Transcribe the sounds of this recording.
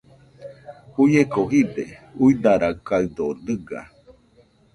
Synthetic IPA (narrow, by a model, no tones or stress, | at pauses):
ujekoɦid̪ḛuid̪aɾakaɯd̪odɯɡa̰